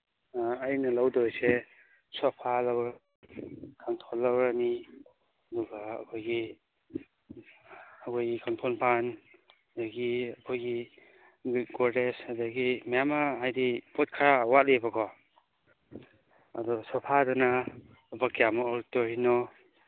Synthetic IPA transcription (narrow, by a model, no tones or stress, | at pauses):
aːjnɐlawdojse | sɔpʰalawɾ | kʰantʰolːawɾani | ɐduɡa̰ːkʰojɡi | akʰɔjɡikɔnpʰɔnpanadaɡiakʰojɡi | ɡɔɾdesadaɡimijamaɦajdipot̚kʰaɾawatlebakɔ | ɐ̰dɔsɔpʰadɔna | ubakijamɔoɾtoɾinɔ